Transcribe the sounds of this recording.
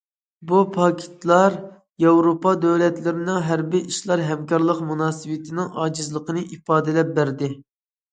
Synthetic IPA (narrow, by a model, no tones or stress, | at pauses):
bupʰɑkʲʰɪ̥t̪lˠɑɾ | jɑwɾopɑd̪øwlɛt̪lɪɾɪnɪŋɦæɾbiʔiʃlˠɑɾɦɛmkʲɑɾlˠəqmunɑːsɨwɪt̪ʰɪnɪŋɑːd͡ʒizlˠəqʰənɨʔifɑːd̪ɪlɛp̚bæɾd̪ɪ